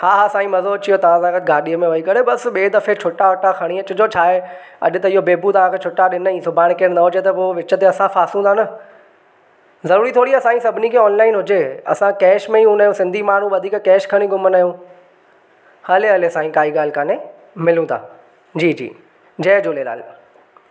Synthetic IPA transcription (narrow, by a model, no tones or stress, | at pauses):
haːɦasãːĩmɐzoɐt͡ɕijot̪ɐʋ̤ãsãːɡət̪̚ɡʱaːɗiəmẽʋɐikɐɽebɐsɓeːd̪ɐfet͡ɕʰʊʈaɐʈaxʰɐɽ̃iɐt͡ɕʊd͡ʑot͡ɕʰaːɦe | ɐ̰ɗɪt̪ɐɪɦobeːbut̪ɐʋ̤ãkʰeːt͡ɕʰʊʈaɗɪnəĩːsʊbʱaːɽ̃keːɾnɐɦʊd͡ʑet̪ɐmoːʋɪt͡ɕət̪eɐsãfaːsũanɐ | zɐɾuːɾit̪ʰoːɽiɐsãːĩsɐbʱɪnikʰeːɔːnlaːɪnɦʊd͡ʑeːɐ̰sãkɛːʃmẽiɦũnaːjũsɪ̃nd̪ʱimaːn̤ũʋɐd̪ʱiːkkɛːʃkʰɐɽ̃ĩɡʊmənaːjũ | hɐleɐlesãːĩkaːiɠaːl̤ɪkaːne | mɪlũd̪a̰ː | d͡ʑiːd͡ʑḭː | d͡ʑɛːd͡ʑoːleːla̰ːl